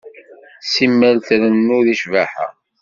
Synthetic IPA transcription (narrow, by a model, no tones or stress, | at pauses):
simːælθɾənːuðiʃvaħa̰